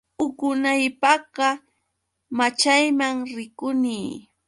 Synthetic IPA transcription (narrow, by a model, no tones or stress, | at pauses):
ʊkʊnajpɑɢɑ | mat͡ʃajmaŋɾɪkʊniː